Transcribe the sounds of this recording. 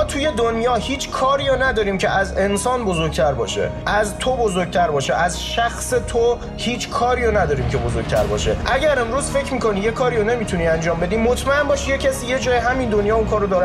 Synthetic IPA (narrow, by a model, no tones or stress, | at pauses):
ɒːt̪ʰuje̞d̪onjɒːhiːt͡ʃʰkʰɒːɾiːjonæd̪ɒːɾiːmcʰeʔæze̞nsɒːnbozoɾɟ̚t̪ʰæɾbɒ̰ːʃe̞̰ʔæzt̪ʰobozoɾɟ̚t̪ʰæɾbɒːʃḛʔæzʃæxse̞t̪ʰo | hiːt͡ʃʰkʰɒːɾiːonæd̪ɒːɾiːmcʰe̞bozoɾɡɟ̥̚ʲt̪ʰæ̰ɾbɒ̰ːʃe̞̰ʔæɟæɾe̞mɾuːzfe̞cʰmiːkʰo̞nijekʰɒːɾione̞mit̪ʰuniːænd͡ʒɒːmbe̞d̪iːmot̪ʰmæe̞nbɒːʃijecʰæsiːje̞d͡ʒɒːjeɦæmind̪onjɒːunkʰɒːɾod̪ɒːɾ